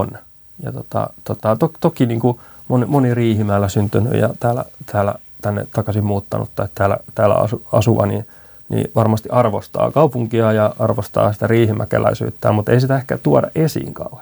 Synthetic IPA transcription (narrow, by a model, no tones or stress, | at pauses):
n | jɑt̪ot̪ɑ̰t̪ot̪ɑt̪okt̪okiniːŋku | monimoniriːhimæːlːæsynt̪yny̰jɑ̰t̪æːlæ̰t̪ʰæːlæ̰ | t̪ænːḛt̪ɑkɑsimmuːt̪ːɑnṵt̪ːɑit̪t̪æːlæ̰t̪æːlæ̰ɑ̰suɑ̰suʋɑni | nḭʋɑrmɑst̪iʔɑrʋost̪ɑ̰ːkɑupuŋkiɑjɑɑrʋost̪ɑ̰ːsi̥t̪æriːhimækæ̰læ̰isy̰ːt̪ːæːmut̪eisit̪æehkæt̪uɑdɑʔesḭːŋkɑuh